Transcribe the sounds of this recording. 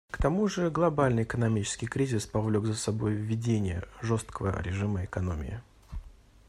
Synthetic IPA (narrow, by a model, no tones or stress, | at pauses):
kt̪ɐmuʐɨɡlˠɐbalʲnɨjɪkənɐmʲit͡ɕɪ̥skʲɪjkɾʲizʲɪspɐvlʲoɡzəsɐbo̞jvʲːɪdʲenʲɪjə̰ʐost̪kəvə̰ɾʲɪʐɨməɪkɐno̞mʲɪ̰ɪ̰